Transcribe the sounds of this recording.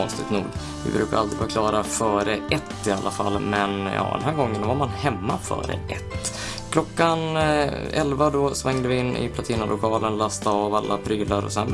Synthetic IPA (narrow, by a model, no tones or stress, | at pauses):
ɔnst̪ɪt̪nṵːɡ | vɪ̰bɾʉ̟ːka̰ɾʔald̪ɾɪɡvɑkʰlɑːɾafœːɾəʔɛt̪ːɪalːafa̰lːmɛnjɑ̰ːd̪ɛ̰nɦæːɾɡɔŋːənd̪ɔvaɾmanhɛmːafœ̰ːɾə̰ʔɛt̪ː | kʰlɔkːan | ɛlvad̪ɔsvɛŋd̪əvɪɪnːɪ̰pʰlat̪ʰiːnalʊkʰɑːlənlɑst̪aɑːvalːapʰɾyːlaɾɔ̰sɛn